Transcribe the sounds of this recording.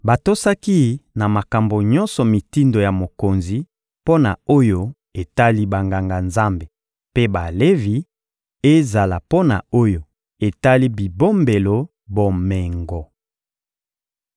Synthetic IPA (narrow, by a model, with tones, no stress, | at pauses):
ba˨to˦sa˦ki˦na˨ma˨ka˨mbo˨ɲɔ˦nsɔ˨mi˨ti˦ndo˨ja˨mo˨ko˨nzi˨ | po˦na̰˨o˦jo˦ | e˨ta˦li˦ba˨ŋɡa˨ŋɡa˨nza˦mbe˨ | pe˦ba˨le˦vi˨ | e˦za˨la˨po˦na̰˨o˦jo˨ | e˨ta˦li˦bi˨bo˦mbe˨lo˨ | bo˨mɛ˨ŋɡɔ˨